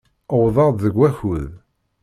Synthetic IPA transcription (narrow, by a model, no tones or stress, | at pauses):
əwðˤɑd̪ðəɡʷːæçuð